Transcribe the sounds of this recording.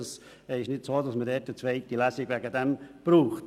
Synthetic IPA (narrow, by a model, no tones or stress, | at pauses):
ɑs | ɪʃnɪtsoːdɑsmədɛt̚ət͡sʋɛɪtilæsɪɡʋæɡədɛmb̥ɾuːχt